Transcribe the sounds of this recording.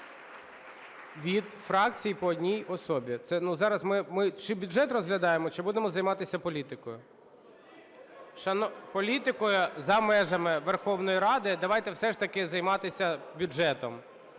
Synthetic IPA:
ʋʲid̪fɾɑk̚t͡sʲijpɔːdʲnʲijɔsɔbʲit̪sɛnuzɑɾɐsmɪmɪt͡ʃɪbʲʊʒɛt̪rɔzɦlʲɐd̪ɑjemɔt͡ʃɪbud̪emɔzɐjmɑt̪ɪsʲɐpɔlʲit̪ɪkɔjʊ | ʃɐnɔpɔlʲit̪ɪkɔjʊzɐmɛʒɐmɪʋerxɔwn̪ɔjiɾɑd̪ɪd̪ɐʋɑjt̪ɛwsɛʃt̪ɐkɪzɐjmɑt̪ɪsʲɐbʲʊɛt̪ɔm

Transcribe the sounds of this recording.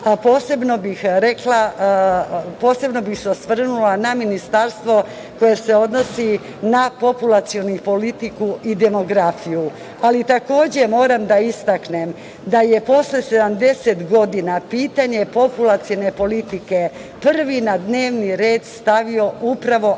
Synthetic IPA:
apo̞ːse̞bno̞bixɾekla | po̞ːse̞bno̞bixseosʋr̩nulanaminist̪aɾst̪ʋo̞ | ko̞jese̞o̞d̪no̞si | napo̞pulat̪sio̞nupo̞lit̪ikuid̪e̞mo̞ɡɾafiju | alit̪ako̞ːd͡ʑemo̞ːɾamd̪aist̪aknem | d̪ajepo̞sle̞se̞d̪amd̪e̞set̪ɡo̞d̪inapiːt̪aɲe̞po̞pulat̪sione̞po̞lit̪ike̞pr̩ʋinad̪ne̞ːʋniɾe̞ːd̪st̪aʋio̞upɾaʋo̞

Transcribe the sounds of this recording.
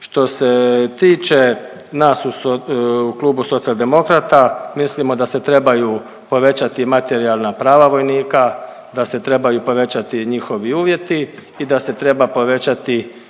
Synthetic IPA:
ʃt̪o̞se̞t̪iːt͡ʃe̞ | naːsuouklˠuːbuso̞t̪sialˠd̪e̞mo̞kɾat̪amislimo̞d̪ase̞t̪ɾe̞bajuː | po̞ʋe̞t͡ɕat̪imat̪e̞ɾialˠnapɾaːʋaʋo̞jniːka | d̪ase̞t̪ɾe̞bajuːpo̞ʋe̞t͡ɕat̪iɲixo̞ʋiuːʋje̞t̪iː | d̪ase̞t̪ɾe̞bapo̞ʋe̞t͡ɕat̪i

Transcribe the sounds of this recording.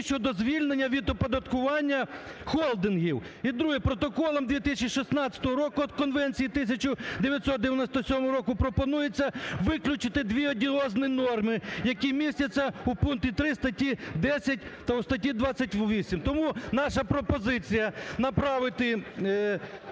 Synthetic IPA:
ʃt͡ʃɔd̪ɔzʋʲilʲnenʲːɐʋʲid̪ɔpɔd̪ɐt̪kʊʋɑnʲːɐxɔlˠd̪ɪnɦiw | id̪ɾuɦɪpɾɔt̪ɔkɔlˠɔmd̪ʋʲit̪ɪsʲɐt͡ʃiʃisnɑt͡sʲɐ̥t̪ɔɦɔɾɔkʊɔd̪̚kɔnʋɛnʲt͡sʲijit̪ɪsʲɐt͡ʃʊd̪eʋʲjɐt̪ʲsɔt̪̚d̪eʋjɐnɔsʲt̪ɔsʲɔmɔɦɾɔkʊpɾɔpɔnujet͡sʲːɐʋɪklʲʊt͡ʃɪt̪ɪd̪ʋʲiɔdʲiɔznɪnɔrmɪjɐkʲimʲisʲtʲɐt͡sʲːɐupunt̪ʲit̪ɾɪst̪ɐtʲid̪ɛsʲɐt̚ʲt̪ɐust̪ɐtʲid̪ʋɑt͡sʲːɐtʲʋʲisʲimt̪ɔmunɑʃɐpɾɔpɔzɪt͡sʲijɐnɐpɾɑʋɪt̪ɪ

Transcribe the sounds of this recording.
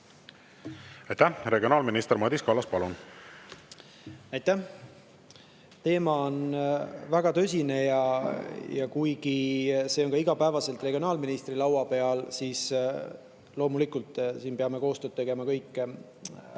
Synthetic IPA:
ɑjt̪æhre̞ɡionɑːlminist̪emɑd̪ʲiskɑlːɑspɑlun | ɑjt̪æh | t̪e̞ːmɑonvæɡ̥ɑt̪ø̞s̬ʲine̞jɑ | jɑkujkise̞o̞nkɑiɡ̥ɑpævɑse̞lt̪ˑre̞ɡ̥io̞nɑːlminist̪rilɑwɑpe̞ɑlsiːs | lo̞ːmulikult̪ˑsiːnpeɑme̞ko̞ːst̪øːt̪t̪ːeɡ̥e̞mɑkɤjkːˑ

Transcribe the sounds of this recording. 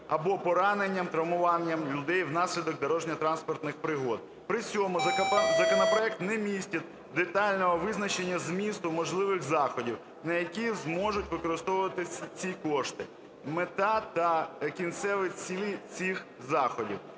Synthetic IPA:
ɐbɔpɔɾɑnenʲːɐmt̪ɾɐwmʊʋɑnʲːɐmlʲʊd̪ɛjwnɑsʲlʲid̪ɔk̚d̪ɔɾɔʒnʲɐt̪ɾɑnspɔrt̪nɪxpɾɪɦɔd̪̚ | pɾɪt͡sʲɔmʊɐzɐkɔnɔpɾɔɛk̚t̪nɛmʲisʲtʲɐt̪̚ʲ | d̪et̪ɑlʲnɔɦɔʋɪznɐt͡ʃenʲːɐzmʲist̪ʊmɔʒlˠɪʋɪxzɑxɔdʲiw | nɐjɐkʲizmɔʒʊtʲʋɪkɔɾɪst̪ɔʋʊʋɐt̪ɪsʲɐt͡sʲikɔʃt̪ɪ | met̪ɑt̪ɐkʲint̪sɛʋɪt͡sʲilʲit͡sʲix | zɑxɔdʲḭw

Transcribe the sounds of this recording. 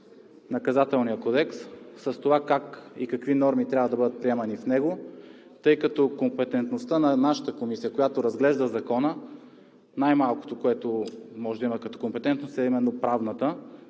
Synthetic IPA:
nɐkɐzat̪ɛlˠnijəkɔd̪ɛksːəst̪ovakakḭkɐkvinɔɾmit̪ɾʲabvəd̪ɐbɤd̪ət̪̚pɾiɛmɐnifnɛɡo | t̪ɤjkɐt̪ɔkompɛt̪ɛnt̪nost̪ənɐnaʃə̥t̪əkomisijəkojat̪oɾɐzɡlɛʒd̪əzɐkɔnə | najmalˠko̥t̪okoɛt̪omɔʒɛd̪əimɐkɐt̪ɔ̥kompɛt̪ɛnt̪nost̪ɛimɛnːopɾavnət̪ə

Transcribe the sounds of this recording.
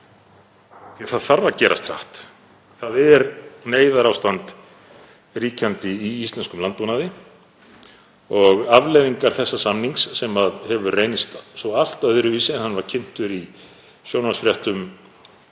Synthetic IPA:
θiθaðθaɾvacɛːɾʔa̰st̪ʰɾa̰ht̪ | θaðɛɾneːjðaɾawst̪ant̪ | riːcʰant̪ɪiist̪lɛnskʏmlant̪̚punaðɪ | ɔɣavleːjðiŋkaɾ̥θɛsːasamniŋksːɛmaðhɛvʏrejnɪst̪sɔal̥t̪œðʏɾʏvisɛnhanːvaɾ̥cʰɪn̥t̪ʏɾi | sjownvasfɾjɛht̪ʏm

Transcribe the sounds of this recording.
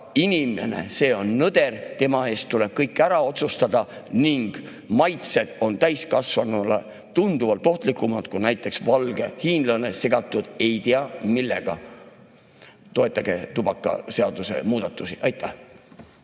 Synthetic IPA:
inime̞̰nḛse̞ːo̞nːɤd̪̥e̞rt̪e̞mɑe̞ːst̪t̪ule̞b̥̚kɤjkːˑæɾɑo̞t̪sust̪ɑd̪̥ɑniŋɡ̥ | mɑjt̪se̞d̪̥o̞nt̪æjskɑsvɑnɑle | t̪und̪uvɑlt̪o̞ht̪likːˑumɑt̪kunæjt̪ˑːe̞ksvɑlɡ̥e̞hiːnd̪lɑne̞se̞ɡ̥ɑt̪ːˑud̪̥e̞jt̪iɑmilːe̞̰ɡ̥ɑ̰ | t̪o̞e̞t̪ːˑɑɡ̥e̞t̪ub̥ɑkˑːɑ̰se̞ɑd̪̥use̞̰muːd̪̥ɑt̪ːˑusiʔɑjt̪ːˑæh

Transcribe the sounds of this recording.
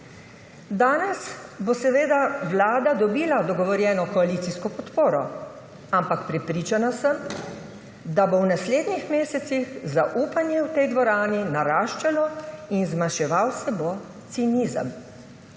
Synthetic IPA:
d̪aːnɛsbosɛʋeːd̪awlaːd̪ad̪ɔbiːlad̪ɔɡɔʋɔɾjɛːnɔkɔaliːt̪siskɔpɔt̪poːɾɔ | ampakpɾɛpɾiːt͡ʃanasəm | d̪abownasleːd̪nixmeːsɛt̪sixzaʔuːpanjɛwt̪ɛjd̪ʋɔɾaːninaɾaːʃt͡ʃalɔinzmaʃɛʋawsɛbo | t̪siniːzə̰m

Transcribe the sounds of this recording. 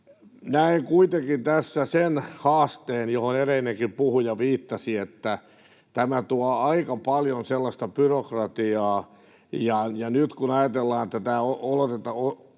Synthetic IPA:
næiŋkuit̪eŋkint̪æsːæsenhɑːst̪eːnjohonereinːeŋkimpuhujɑʋiːt̪ːɑsiet̪ːæ | t̪æmæt̪uɑɑikɑpɑljonselːɑst̪ɑpyrokrɑt̪iɑː | jɑjɑnyt̪kunɑjɑt̪elːɑːnet̪ːæt̪æːoolot̪et̪ɑo

